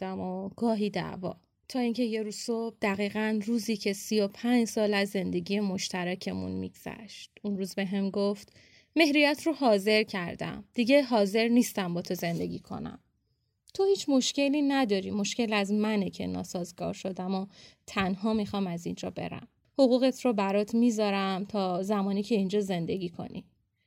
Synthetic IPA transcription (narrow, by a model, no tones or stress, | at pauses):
d̪æmoɡ̥ɒːɦiːd̪æ̰vɒ̰ː | t̪ʰɒːiːŋcʰe̞je̞ɾuːzsob̥̚d̪̥æɣiːɣænruːziːcʰe̞sio̞pʰæɲd͡ʒsɒːlæzːe̞nd̪e̞ɟiːje̞mo̞ʃt̪æɾæcʰe̞mṵnmḭɡz̥æ̰ʃt̪̚unruːzbe̞ɦemɡoft̪ | me̞hɾijæt̪ʰroɦɒːze̞ɾcʰæɾd̪æ̰md̪̥iɟe̞ɦɒːze̞ɾniːst̪æmbɒːt̪ʰo̞ze̞nd̪e̞̰ɟʲḭːkʰo̞̰næ̰m | t̪ʰo̞hiːt͡ʃʰmo̞ʃce̞liːnæd̪ɒːɾimo̞ʃce̞læzmænecʰe̞̰nɒ̰ːsɒːzɡɒ̰ːɾʃo̞d̪æmot̪ʰænɦɒːmixɒːmæzḭnd͡ʒɒ̰ːbe̞̰ɾæ̰m | ho̞ɣuːɣe̞t̪ʰɾɔbæɾɒːt̪ʰmizɒːɾæmt̪ʰɒːzæmɒːniːcʰe̞ind͡ʒɒːze̞nd̪e̞ɡiːkʰo̞̰nḭ